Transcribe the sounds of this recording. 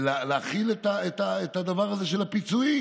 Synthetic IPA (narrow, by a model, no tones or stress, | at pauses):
lleaχilet̪aet̪aet̪ad̪avaʁaze̞ʃelapit͡sui